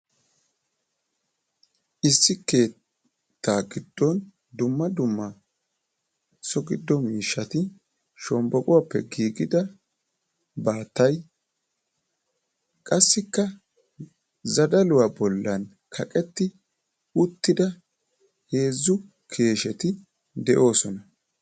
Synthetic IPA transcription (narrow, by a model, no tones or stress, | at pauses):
ʔɪsːɪke̞ː | t̪ːaːɡɪd̪ːɔn | d̪ʊmːɐd̪ʊmːɐ | sɔɡɪd̪ːɔmiːʃːɐt̪ɪ | ʃɔmbɔkʼʊwapːɛɡiːɡɪd̪ɐ | baːt̪ːɐj | kʼɐsːɪkːɐ | zɐd̪ɐlʊwabɔlːɐn | kʰɐkʼɛt̪ːɪ | ʊt̪ːɪd̪ɐ | he̞ːzːʊ | kʰe̞ːʃɛt̪ɪ | d̪ɛʔo̞ːsɔnɐ